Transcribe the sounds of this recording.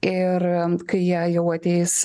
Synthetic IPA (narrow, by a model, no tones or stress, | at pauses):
ɪɾkɐɪjɛːjɛʊɐt̪ʲɛɪs